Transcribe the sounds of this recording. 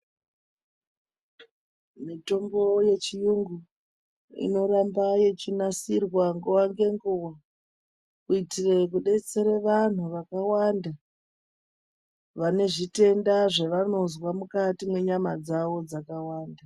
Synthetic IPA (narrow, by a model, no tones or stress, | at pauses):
mito̞mbo̞je̞t͡ʃijuŋɡu | ḭno̞ɾambaje̞t͡ʃinasirwaŋɡuwaŋɡe̞ŋɡuwa | kuitire̞k̬uɗe̞t͡se̞ɾeʋan̤uʋakawanda | ʋane̞ʐite̞ndaʐeʋano̞zwamukatimwe̞ɲamad͡zaʋo̞d͡zakawaːnda